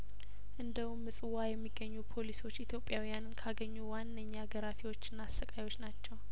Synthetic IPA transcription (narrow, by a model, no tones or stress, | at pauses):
ʔɨnd̪əwumːɨsʼɨwajɛmːiɡːəɲːupʰo̞liso̞t͡ʃːit̪ʰjo̞pʼːjawijannkʰaɡəɲːuwanːəɲːaɡəɾafiwo̞t͡ʃːɨnːaːsːəkʼajwo̞t͡ʃːnat͡ʃːɛw